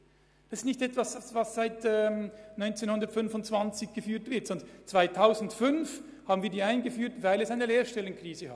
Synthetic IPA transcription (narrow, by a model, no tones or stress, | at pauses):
d̥asɪstnɪçtɛtv̥assvasːaɪtɛmnɔʏnt͡seːnhʊndɐtfʏnfʊnt͡sv̥ant͡sɪçɡ̥əfyːɐtv̥ɪɐtsɔndt͡sv̥aɪtʰaʊzn̩tfʏnf | haːbn̩viːɐdiːaɪnɡəfyːɐtvaɪlɛsaɪnəleːɐʃtɛlənkriːzəha